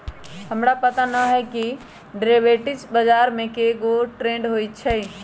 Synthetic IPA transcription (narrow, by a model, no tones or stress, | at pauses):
həmɾapət̪anəɦɛki | ɖɾebeʈit͡ʃbəd͡ʒaɾmẽkeɡoʈɾẽɳɖɦojtt͡ʃʰɛ